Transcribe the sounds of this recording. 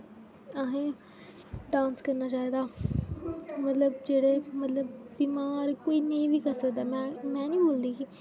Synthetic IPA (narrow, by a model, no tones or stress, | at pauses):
aɦẽː | ɖãːnskəɾnaːt͡ʃaːiːd̪aː | mət̪ləbd͡ʒeːɽeːmət̪ləb̚ːiːmãːɾekoːiːnẽĩːʋiːkəɾsəkd̪aːmɛ̃mɛ̃ːnĩːboːld̪iːkiː